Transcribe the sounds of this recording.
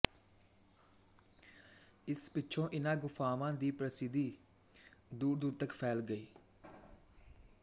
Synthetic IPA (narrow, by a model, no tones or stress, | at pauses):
ɪspɪt͡ʃʰõːʔɪnãːɡʊfʰaːʋãːd̪iːpɾəsɪd̪iː | d̪uːɾd̪uːɾt̪əkpʰɛːlɡəiː